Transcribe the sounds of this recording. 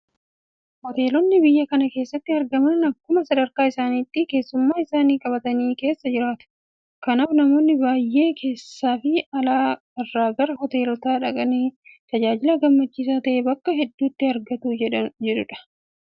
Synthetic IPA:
hɔt̪e̞ːlɔnːɪbɪjːɐkɐnɐke̞ːsːɐt̪ːɪɐɾɡɐmɐnɐkːʊmɐsɐd̪ɐɾkaːɪsaːniːt̪ːɪke̞ːsːʊmːaːɪsaːniːkʼɐbɐt̪ɐniːke̞ːsːɐd͡ʒɪɾaːt̪ʊ̥ | kɐnaːfnɐmo̞ːnːɪbaːjːe̞ːkʰe̞ːsːaːfɪɐlaː | ɐrːaːɡɐɾɐhɔt̪e̞ːlɔt̪aːᶑɐkʼɐniːt̪ɐd͡ʒaːd͡ʒɪlaɡɐmːɐt͡ʃːiːs̬aːt̪ɐʔebɐkːɐɦɛd̪ːuːt̪ːɪɐɾɡɐt̪uːd͡ʒɛᶑʊᶑɐ̥

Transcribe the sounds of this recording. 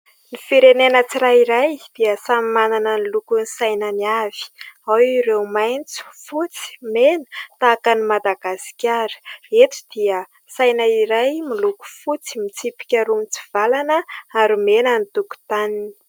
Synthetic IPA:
nifiɾenenət͡siɾaiɾajd̪̥iəsamimananənilukunisajnəniav̥i̥awiɾewmajnt͡su̥fut͡si̥menə̥t̪akanimad̪aɡasi̥kʲaɾə̥et̪i̥d̪̥iə | sajnaiɾajmiluku̥fut͡si̥mit͡sipi̥kʲaɾumit͡si̥v̥alanəaɾumenənit̪uku̥t̪anini̥

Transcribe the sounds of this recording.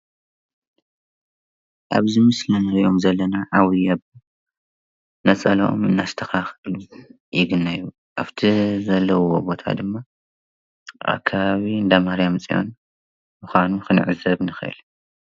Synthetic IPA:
ʔaβzɨmɨslɐnao̞mzɐlːɐnaʕawijab | nɐt͡sʼɐlɐʔo̰mɨnːast̪ʰɐxaxɨlu | jɪɡɨnːaju | ʔa̰ft̪ʰizɐlːɐwobo̞t̪ʰa̰d̪ɨmːa | ʔa̰kʰːaβaβiɨnd̪amahɾjamt͡sʼijo̞̰n | mɨxʷanuxɨnʕɨzɐβnɨxʔɨ̰l

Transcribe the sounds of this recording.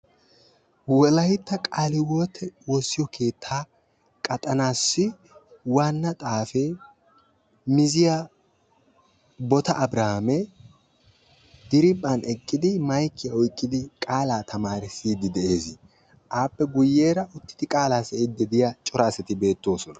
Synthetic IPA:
wɔlɐjɪt̪ːɐkʼaːlɪwɔːt̪ʰːɛwɔsːɪjɔkʰe̞ːt̪ʰːaː | kʼɐt̪ʼɐnaːsːɪ | wanːɐt̪ʼaːfɛ | mɪzɪja | bɔt̪ɐʔːbɾɐhɐmɛ | d̪̥ɪɾɪbʼɐnɛkʼːɪd̪ɪmɐjkːɪjɐɔjkʼːɪd̪ɪkʼaːlaːt̪ʰɐmaːɾɪsiːd̪ɪd̪ɛʔe̞ːzɪ | ʔaːpːɛɡʊjːe̞ːɾɐʔʊt̪ːɪ̥d̪ɪkʼaːlaːsɛɪd̪ːɛd̪ɪjat͡ʃʼɔɾaːsɛt̪ɪbe̞ːt̪ːo̞ːsɔnɐ̥

